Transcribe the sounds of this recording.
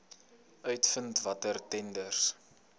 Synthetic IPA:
œɥtfəntvɐtərtɛndərs

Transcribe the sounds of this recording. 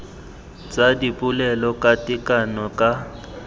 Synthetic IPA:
t͡sʼadipʼulɛlɔkʼatʼikʼanɔkʼa

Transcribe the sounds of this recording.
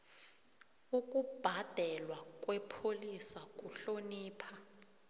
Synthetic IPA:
ukʼub̥ʱad̥ʱɛlwakʼwɛpʰolisakʼuɬoniːpʰa

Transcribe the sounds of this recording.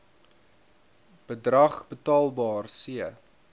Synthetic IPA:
b̥ədrɐχbətɑːlˠbɑːrsiə

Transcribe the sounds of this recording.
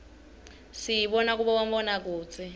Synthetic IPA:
sijiɓɔnak̬uɓawam̩bɔnak̬ʼuːt͡sʰʼi

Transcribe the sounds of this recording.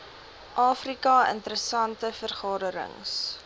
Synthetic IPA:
ʔɑːfrikɐə̰ntəɾəsɐntəfərχɑːdəɾə̰ŋs

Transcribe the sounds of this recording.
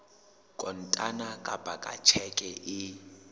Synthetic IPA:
kʼɔn̩tʼanakʼab̥ʱakʼa̰t͡ʃʰɛkʼɛʔɪ

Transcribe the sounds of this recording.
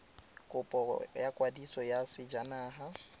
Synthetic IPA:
kʼʊpʼɔ̰jakʼwadisɔjasɪd͡ʒanaːɦa

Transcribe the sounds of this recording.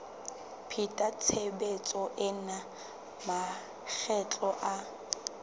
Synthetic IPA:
pʰitʼat͡sʰebet͡sʼɔʔɪna | ma | k͡xʰɛt͡ɬʼɔʔa

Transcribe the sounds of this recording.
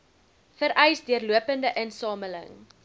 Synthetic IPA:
fəɾʔɛjsdiərluəpəndəʔənsɑːmələ̰ŋ

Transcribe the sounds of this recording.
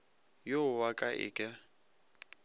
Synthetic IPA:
jowakʼaʔɪ̰kʼɪ

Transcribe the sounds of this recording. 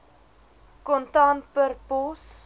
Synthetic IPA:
kɔntɑntpərpɔs

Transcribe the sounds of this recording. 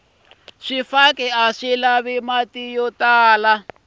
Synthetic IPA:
ʂifakʼɛaʂilaβimatijɔtaːla

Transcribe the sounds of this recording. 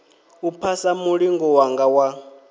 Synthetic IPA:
upʰasamuɺiŋɡɔwaŋɡawa

